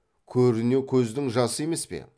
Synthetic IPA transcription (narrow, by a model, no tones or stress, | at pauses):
kʲʰɵɾɪne̞kʲʰɵzd̪ɪŋʒɑsəje̞me̞spe̞̰